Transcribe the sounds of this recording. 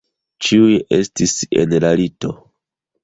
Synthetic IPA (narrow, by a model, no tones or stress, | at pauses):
t͡ʃiuje̞stisḛnlalito̞